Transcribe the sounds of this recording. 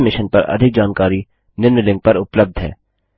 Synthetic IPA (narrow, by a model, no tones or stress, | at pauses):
mɪʃənpɐɾɐ̰d̪ʱɪk̚d͡ʒaːnkaːɾi | nɪɾnəlɪ̃ŋɡ̚pɐɾʊpləb̚d̪ʱɦɛ̰ː